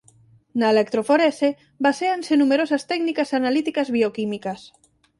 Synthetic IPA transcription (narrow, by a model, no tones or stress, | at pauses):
naelek̚t̪ɾofoɾese | baseansenumeɾosast̪ɛknikasanalit̪ikazβiokimikas